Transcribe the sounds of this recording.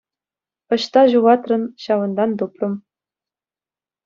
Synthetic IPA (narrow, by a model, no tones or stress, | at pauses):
ɤ̆ɕt̪ɑʑuʁɑt̪rɤ̆nɕɑʋɤ̆nd̪ɑnd̪uprɤ̆m